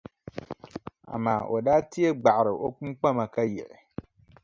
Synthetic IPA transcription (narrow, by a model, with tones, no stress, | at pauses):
a̰˨ma̰ː˦˨ʔo˨daː˦ti˦e˦ɡ͡ba˨ʔɾɨ˨ʔo˦k͡pu˦mk͡pa˦ma˨ka˦jɛ˨ʔɪ˨